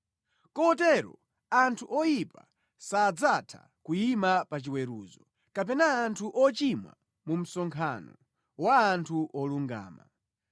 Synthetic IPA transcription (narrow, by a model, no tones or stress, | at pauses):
kɔt̬ɛɾɔ | antʰuʔɔjipa̰ | saːd͡zatʰa̰ | kujimapat͡ʃiwɛɾṵːzɔ | kap̬ɛnaːntʰuʔɔt͡ʃimwa̰ | mum̩sɔŋkʰanɔ | waːntʰuʔɔluŋɡa̰ːma̰